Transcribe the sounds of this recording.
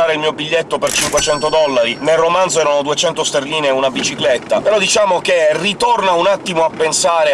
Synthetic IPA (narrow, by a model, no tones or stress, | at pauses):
aːɾeilmiːobiʎːet̪ːopert͡ʃiŋkwet͡ʃɛnt̪od̪ɔlːaɾinelromanzoɛːɾanod̪uet͡ʃɛnt̪ost̪erliːneunabit͡ʃiklet̪ːapeɾɔd̪it͡ʃaːmokerit̪ornaunat̪ːimoapːensaːɾe